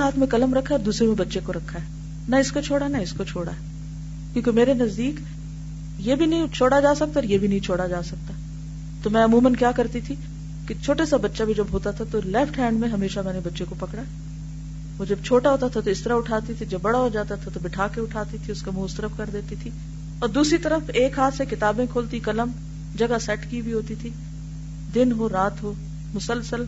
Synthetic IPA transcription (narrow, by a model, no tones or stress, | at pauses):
ɦaːt̪ʰmẽkɐləmɾɐkʰːaɔːɾd̪uːsɾemẽbɐtːʃekoɾɐkʰːaɦɛː | nɐɪskot͡ʃʰoːɽaɦɛnaɪskot͡ʃʰoːɽa̰ɦɛ | kjõːkemeːɾenɐzd̪iːk | jebʱinɐĩt͡ʃʰoːɽad͡ʒaːsɐk̚t̪aɔːɾjebʱinɐɦĩt͡ʃʰoːɽad͡ʒaːsɐk̚t̪a | t̪omɛ̃ɐmuːmənkjaːkɐɾt̪it̪ʰi | kit͡ʃʰoːʈasabɐtːʃabʱid͡ʒɐbɦoːt̪at̪ʰat̪olɛːfʈʰɦɛ̃ːɳɖmẽɦɐmeːʃamɛːnebɐtːʃekopɐkɽaɦɛ | oːd͡ʒɐb̚t͡ʃʰoːʈaɦoːt̪at̪ʰat̪oɪst̪əɾaʊʈʰaːt̪it̪ʰid͡ʒɐbːɐɽaɦod͡ʒaːt̪at̪ʰat̪obɪʈʰaːkeʊʈʰaːt̪it̪ʰiʊskamũʊst̪əɾəfkɐɾd̪eːt̪it̪ʰi | ɔːɾd̪uːsɾit̪ɐɾəfeːkɦaːt̪ʰsekɪt̪aːbẽkʰoːlt̪ikɐləm | d͡ʒɐɡasɛːʈkibʱiɦoːt̪it̪ʰi | d̪ɪnɦoːɾaːt̪ɦoː | mʊsəlsəl